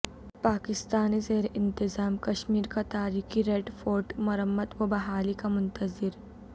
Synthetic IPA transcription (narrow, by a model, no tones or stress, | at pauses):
paːkɪst̪aːnizeːɾeʔɪ̃nt̪ɪzaːmkɐʃmiːɾkat̪aːɾiːxiɾeːɖfoːɾʈmɐɾəmːət̪ʋɐbɐɦaːlikamʊnt̪əzɪɾ